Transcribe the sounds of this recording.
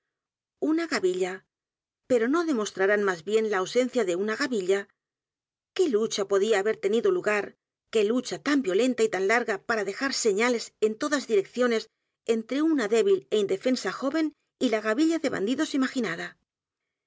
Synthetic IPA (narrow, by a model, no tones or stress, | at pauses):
unaɣaβiʎa | pe̞ɾo̞no̞ðe̞mo̞st̪ɾaɾanmazβje̞nlaːwse̞n̟θjaðeunaɣaβiʎa | ke̞lut͡ʃapo̞ðiaːβe̞ɾt̪e̞niðoluɣaɾ | ke̞lut͡ʃat̪ambjo̞le̞nt̪ait̪anlaɾɣapaɾaðe̞xaɾse̞ɲale̞se̞nt̪o̞ðazðiɾe̞kθjo̞ne̞s | e̞nt̪ɾe̞unaðe̞βile̞ind̪e̞fe̞nsaxo̞βe̞n | ilaɣaβiʎaðe̞βa̰nd̪iðo̞simaxinaða